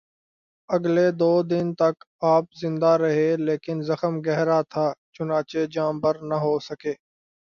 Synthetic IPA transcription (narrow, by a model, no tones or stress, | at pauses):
əɡled̪oːd̪ɪnt̪ɐk | aːp̚zɪ̃nd̪aɾɐɦeːleːkɪnzəxəmɡɛɦɾat̪ʰaːt͡ʃʊnaːt͡ʃed͡ʒaːmbəɾnəɦoːsəkeː